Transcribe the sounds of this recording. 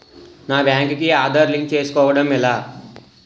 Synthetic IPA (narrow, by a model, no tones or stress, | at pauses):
naːbjaːŋkkiaːd̪ɐɾliŋk̚t͡ʃeːsu̥kɔːʋɐɽɐmilaː